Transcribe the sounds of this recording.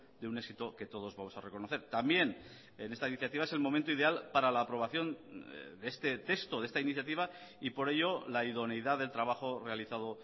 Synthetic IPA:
d̪eune̞ksit̪oke̞t̪o̞ð̞o̞zβamo̞sare̞ko̞noθe̞ɾt̪ambje̞n | ene̞st̪ainiθjat̪iβaese̞lmo̞ment̪oiðe̞alpaɾalaːpɾo̞β̞aθjo̞nd̪eest̪e̞t̪e̞kst̪o̞ðe̞st̪ainiθjat̪̬iβ̞a | ipo̞ɾe̞ʎo̞laiðo̞nejðaðe̞lt̪ɾaβ̞axo̞re̞aliθað̞o̞

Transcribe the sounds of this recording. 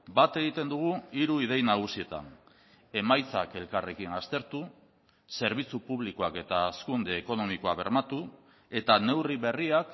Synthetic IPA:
bat̪e̞ɣ̞it̪e̞nd̪uɣ̞uiɾuið̞e̞jnaɣ̞usie̞t̪a̰n | e̞majt͡sa̰ke̞lkare̞kinast̪e̞ɾt̪u | se̞ɾβ̞it͡supuβliko̞ake̞t̪aːskund̪e̞ːko̞no̞miko̞aβe̞̰ɾmat̪u | e̞t̪ane̞wriβe̞riak

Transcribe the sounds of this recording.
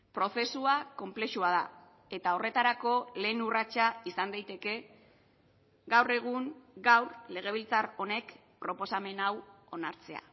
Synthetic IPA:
pɾo̞θe̞suako̞mple̞ʃuað̞a | e̞t̪ao̞re̞t̪aɾako̞le̞ːnurat͡ʃaisand̪ajt̪e̞ke̞ | ɡawre̞ɣ̞uŋɡawɾle̞ɣ̞e̞β̞ilt͡saro̞ne̞k | pɾo̞po̞same̞nawo̞naɾt͡se̞a̰

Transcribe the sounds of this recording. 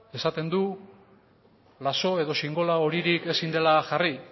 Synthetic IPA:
e̞sat̪e̞nd̪u | laso̞e̞ðo̞siŋɡo̞lao̞ɾiɾike̞sind̪e̞laʝari

